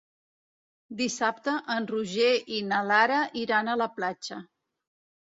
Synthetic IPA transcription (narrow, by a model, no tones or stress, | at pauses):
d̪isap̚t̪əʔənruʒeʔinəlaɾəʔiɾanələplat͡ʃə